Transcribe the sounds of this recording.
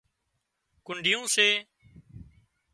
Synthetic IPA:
kʊɳɖʱɪjõːseː

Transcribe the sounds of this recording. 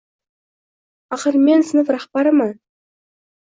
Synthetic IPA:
ɑχəɾmensənəfɾɑχpɑɾəmɑ

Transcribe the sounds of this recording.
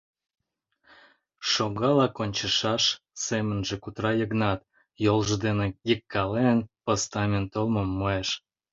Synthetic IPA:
ʃoɣɑlɑkonʲt͡ɕə̆ʃɑʃ | semə̆nʒĕkut̪rɑjəɣnɑt̪ | jolʒəd̪enejəkːɑlenpost̪ɑmʲent̪olməmːoeʃ

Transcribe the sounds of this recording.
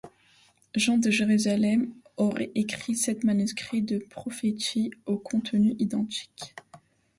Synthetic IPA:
ʒɑ̃d̪əʒeʁyzalɛm | ɔʁɛ̰ʔekχisɛt̪manyskχid̪əpχɔfet̪iokʰɔ̃t̪nyʔid̪ɑ̃t̪i̥k

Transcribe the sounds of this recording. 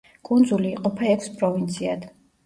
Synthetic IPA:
kʼund̪zuliːqʼɔpʰaɛkʷʰspʼɾɔvint̪sʰiad̪

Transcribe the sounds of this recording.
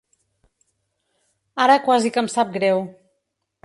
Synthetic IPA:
aɾəkwazikəmsap̚ɡɾɛw

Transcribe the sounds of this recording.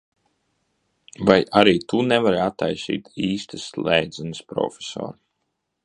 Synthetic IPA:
vajʔaɾiːt̪unɛvaɾat̪ːajsḭːt̪iːst̪ɨslˠɛjd̪zɛnɨspɾɔ̰fʲe̥sɔ̰ːɾ

